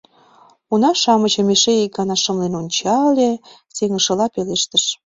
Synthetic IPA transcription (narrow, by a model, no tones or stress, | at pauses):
unɑʃɑmət͡ɕə̆meʃeik̚ɡɑnɑʃəmlenonʲt͡ɕɑlʲe | seŋə̆ʃə̆lɑpeleʃt̪əʃ